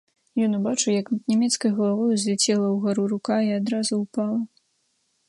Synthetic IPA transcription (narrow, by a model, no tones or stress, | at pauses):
jɔnubat͡ʂɨwjɐknʲɛmʲɛt̪skɐjɣɐlˠavɔjuzʲlʲɛt͡sʲɛlˠɐwɣaɾuɾukaiad̪ɾazuwpalˠɐ